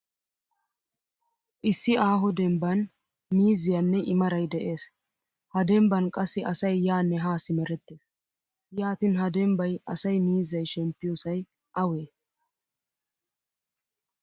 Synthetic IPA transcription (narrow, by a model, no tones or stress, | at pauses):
ʔɪsːɪaːɦɔd̪ɛmbɐn | miːzɪjɐnːɛʔɪmɐɾɐjd̪ɛʔe̞ːs | hɐd̪ɛmbɐnkʼɐsːɪʔɐsɐjːaːnːɛɦaːsɪmɛɾɛt̪ːe̞ːs | jaːt̪ɪnɦɐd̪ɛmbɐjɐsɐjmiːzːɐjʃɛmpːɪjɔsɐj | ʔɐwe̞ː